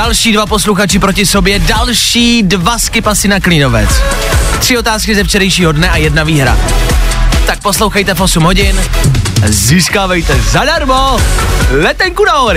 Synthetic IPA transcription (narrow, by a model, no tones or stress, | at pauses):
alʃiːdvapo̞sluxat͡ʃɪpɾocɪso̞bjɛdalʃiːdvaskɪpasɪnaklino̞vɛ̰t͡s | t̪r̥ɪo̞t̪aːskɪzɛft͡ʃɛɾɛjʃiːɦodnɛʔajɛdnaviːɦɾa̰ | t̪ak̚po̞slo̞wxajt̪ɛfʔo̞sumɦoɟɪn | ziːskaːvɛjt̪ɛzadaɾmo | lɛt̪ɛŋkunaɦoɾɪ